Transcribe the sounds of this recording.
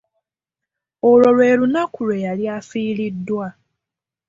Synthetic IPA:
oɾo̞ɾwe̞ːlunakuɾejaljafiːlidːwa

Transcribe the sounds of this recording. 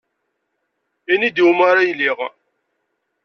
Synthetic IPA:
inid̪iwmaɾajliʁ

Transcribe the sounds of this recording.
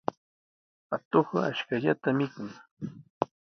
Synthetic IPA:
at̪oχaaʃkaʎat̪amɪkʊŋ

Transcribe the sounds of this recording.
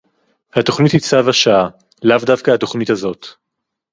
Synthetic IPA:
hat̪o̞χnithit͡savaʃaa | lavdavkahato̞χnithazo̞t̪

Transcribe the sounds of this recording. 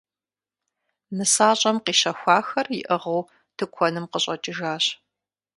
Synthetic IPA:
mɨsaːɕʼɐmqiːʃɐxʷɑːxɐrjɪʔɐʁɐw | tʰɨkʷʰɔnɨmqəɕʼɐt͡ʃʼɪʒaːɕ

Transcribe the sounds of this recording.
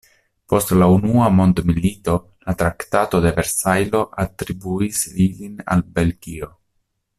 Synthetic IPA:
po̞stlaunuamo̞nd̪milito̞ | latɾaktato̞de̞ve̞ɾsajlo̞ʔatɾibuislilina̰lbe̞lɡio̞

